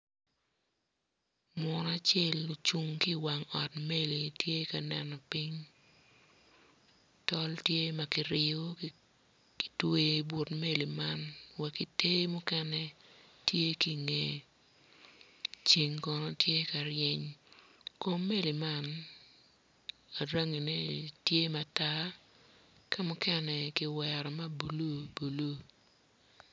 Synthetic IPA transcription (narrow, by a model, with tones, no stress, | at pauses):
mwɔ˨na˨t͡ʃjɛ˦lːo˨t͡ʃu˨ŋki˦wa˨ŋɔ˨tme˦li˨tje˦ka˨nɛ˨nɔ˨pi˦ɲ | tɔ˦ltje˦ma˨kɪ˨ɾɪ˨o˦ | ki̥˨twe˦bwo˨tme˦li˨ma˦nwɛ˨ki˨te˦mʊ˦kɛ˦nɛ˦tje˦ki˨ŋe˨ | t͡ʃi˨ŋkɔ˨nɔ˦tje˦ka˨ɾɪɛ˦ɲ | ko˦mːe˦li˨ma˦n | a˨ɾa˦ŋi˨ne˦tje˦ma˨ta˦ | ka˦mʊ˦kɛ˦nɛ˨ki˨wɛ˨ɾɔ˨ma˦bu˨lu˦bu˨lu˦